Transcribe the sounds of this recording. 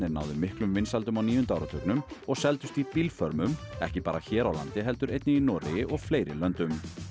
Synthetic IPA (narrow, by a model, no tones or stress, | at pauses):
nɪɾna̰wðɪmːɪhklʏmvɪnsalt̪ʏmawniːjʏnt̪aawɾat̪ʰœknʏmɔɣsɛlt̪ʏst̪ipilfœɾmʏmɛ̰hcɪpaːɾaçɛːɾawla̰nt̪ɪɦɛl̪t̪ʏɾejt̪nɪinɔːɾɪʔɔɣfleːjɾɪ̰lœnt̪ʏm